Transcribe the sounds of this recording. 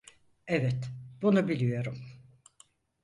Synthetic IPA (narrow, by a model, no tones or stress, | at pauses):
ɛvɛt̪b̥unubilʲijo̞ɾum